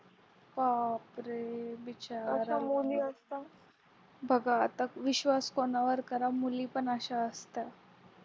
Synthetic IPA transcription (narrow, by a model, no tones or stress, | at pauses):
paːpɾebɪt͡ʃaːɾamuliɐst̪a | bʱɐɡat̪ɐkʋɪʃʋaːskonaʋəɾkɐɾamulipənaʃaəst̪a